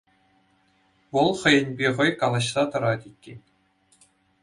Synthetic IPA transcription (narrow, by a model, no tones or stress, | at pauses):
ʋɤ̆lˠχɤ̆jɘ̆nʲbʲeʁɤ̆jkɑlˠɑɕsɑt̪ɤ̆ɾɑt̪ʲikʲːe